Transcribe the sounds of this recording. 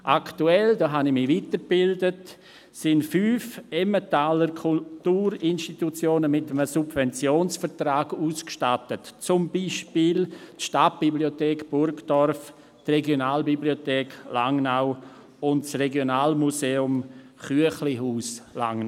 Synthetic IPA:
ʔaktuɛldɔːɦanɪmiʋiːtəɾb̥ɪldət | sɪntfyːfɛmətaːləɾkʰutuːɾɪnʃtitut͡sjoːnəmɪtəməsubvɛnt͡sjoːnsfəɾtraːɡuːskʃtatətt͡sʊmbiːʃpiːltʃtat̚b̥ibliotɛːkb̥ʊɾkdɔɾf | trɛɡjonaːlbibliotɛːklaŋnaʊ | ʊntsreɡjonaːlmuseːʊm | χyəχliɦuːsla̰ŋn

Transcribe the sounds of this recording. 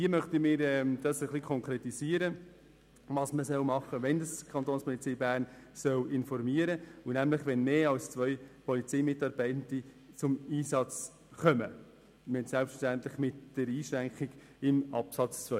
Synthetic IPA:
diəmœχt̪imɪːɾɛmd̥ɑsəχlikʰɔŋkʰɾɛtisiəɾə | ʋɑsməsœwmɑχəʋɛndɑskʰɑnt̪oːnspɔlit͡siːbæːrnsœwɪnfɔɾmiːəɾəʊnæmlɪχʋɛnmeːɑlst͡sʋœʏpɔlit͡sɛɪmɪtɑɾb̥ɛɪtndi | t͡sʊmiːsɑt͡s | χœmə̰ | mɛtsɛlpstftænt̪lɪχmɪtd̥əɾiːʃɾæŋkiɡ | ɪmɑ̰psɑt͡st͡sʋœ

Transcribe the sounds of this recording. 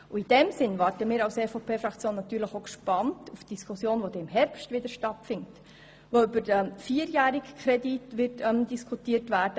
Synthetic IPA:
uid̥ɛmsɪnʋɑɾtəmiːɾɑʊseːfopʰeːfɾɑkt͡sjoːnːɑt̪yːɾləχokʃpɑntufd̥iskʰusjoːnʋod̥̪ɛɪmɦɛɾpʃtʋɪd̪əɾʃtɑtfɪnt | ʋoybəɾɛfiːəɾjæːɾikkʰɾɛditʋɪrtɛmdiskʰutiːətʋæːɾdə

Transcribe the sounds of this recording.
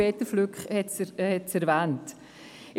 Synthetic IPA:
ɛːtəflykhɛtshɛtsɛɾvæːnt | ɪ

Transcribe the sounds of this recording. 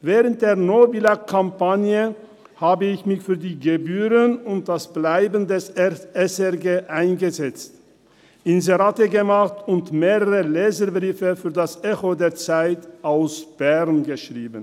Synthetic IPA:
vɛːʁənt̚d̥eːɐnobilakʰampanjə | haːbəɪçmɪçfyːɐdiːɡebyːʁənʊnt̚d̥asb̥laɪbn̩dɛsɛɛsɛʁɡeːʔaɪnɡəzɛt͡st | ʔɪnzeʁatəɡəmaχtʊntmeːʁəʁəlɛːzəbʁiːfəfyːɐdasʔɛçodeːɐt͡saɪtʔaʊsb̥ɛʁnɡəʃʁ̥iːbən̩

